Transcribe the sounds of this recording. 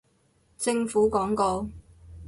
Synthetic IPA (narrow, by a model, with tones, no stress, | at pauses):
t͡sɪ˧ŋfuː˨˥kɔː˨˥ŋko˧